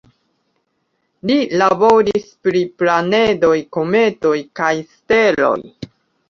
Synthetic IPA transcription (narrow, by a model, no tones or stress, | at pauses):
lilabo̞ɾispɾiplane̞do̞jko̞me̞to̞jkajste̞lo̞̰j